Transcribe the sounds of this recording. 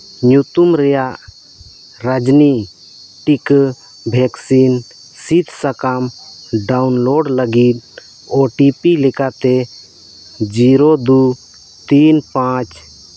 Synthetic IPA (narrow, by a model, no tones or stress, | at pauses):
ɲut̪umɾɛjaʔ | ɾad͡ʒni | ʈik | bʱɛksin | sit̪sakamɖawnloɖləɡit̪̚ | ɔʈipilɛkat̪ɛ | d͡ʒiɾod̪u | t̪inpãt͡ʃ